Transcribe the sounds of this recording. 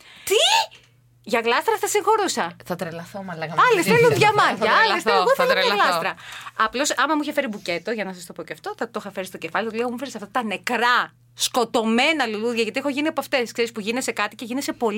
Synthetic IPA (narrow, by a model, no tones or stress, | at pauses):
t̪i | ʝɐɣlɐst̪ɾɐθɐsiŋxo̞ɾusɐθɐt̪ɾelɐθomɐlɐɐɐlesθeluðʝɐmɐɐlolɐsɾɐɐplo̞sɐmɐmuiçefe̞ɾibuce̞t̪o̞ʝɐnɐsɐst̪o̞po̞ceɐft̪o̞θɐt̪oxɐfe̞ɾist̪o̞cefɐliθɐoleomufeɾisɐft̪ɐt̪ɐne̞kɾɐ | sko̞t̪o̞me̞nɐluluðʝɐʝɐt̪iexo̞ʝiniɐpɐft̪e̞skse̞ɾispuʝinese̞kɐt̪ice̞ʝinese̞po̞l